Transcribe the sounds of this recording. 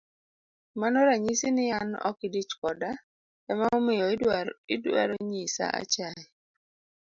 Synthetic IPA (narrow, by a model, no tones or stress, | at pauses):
manɔɾaɲisinɪanɔ̰kɪdit͡ʃkɔda | ɛmaɔmɪjɔɪdwa̰ɾoɲisa̰a̰t͡ʃaɛ